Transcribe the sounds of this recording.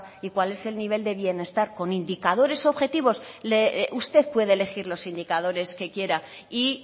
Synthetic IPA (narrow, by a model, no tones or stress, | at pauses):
ikwale̞se̞lniβ̞e̞ld̪e̞βje̞ne̞st̪aɾko̞nind̪ikað̞o̞ɾe̞so̞βxe̞t̪iβo̞sleʔust̪e̞θpwe̞ðele̞xiɾlo̞sind̪ikað̞o̞ɾe̞ske̞kje̞ɾa | i